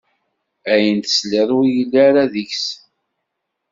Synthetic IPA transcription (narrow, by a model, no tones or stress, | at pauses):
æjənt̪ə̥slɪðˤwijəlːaɾaðiçs